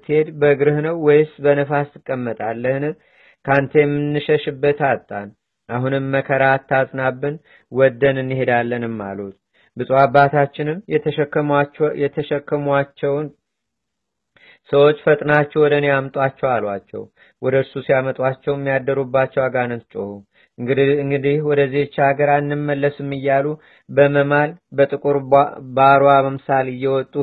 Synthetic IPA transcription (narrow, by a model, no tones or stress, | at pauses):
t̪ʰhe̞d̪bəɡɨɾɨhnəwːɔjsbənəfast̪ʰɨkʼːəmːət̪ʼalːəhnɨm | kʰant̪ʰejɛmːɨnːɨʃəʃɨbːət̪at̪ʼːan | ʔaɦunɨmːəkʰəɾat̪ʰːasʼnabːɨn | wɔd̪ːənɨnːihe̞d̪alːənɨmːa̰lut̪ | bɨsʼabːat̪ʰat͡ʃːɪnɨmkːjɛt̪ʰəʃəkʰːəmat͡ʃːɛwn | səwot͡ʃːfət̪ʼnat͡ʃːɛwɔd̪ənejamt̪ʼwat͡ʃːɛwalwa̰t͡ʃːɛ̰w | wɔd̪əɾsusijamət̪ʼwat͡ʃːɛwmːijad̪ːəɾubːat͡ʃːɛwaɡanət̪t͡ʃʼohu | ɨŋɡɨd̪ihwɔd̪əzːiet͡ʃːaɡəɾanːɨmːəlːəsɨmːɨjːalu | bəməmalbət̪ʼɨkʼuɾbaɾwaməmsalɨjːɛwɔt̪ʼːu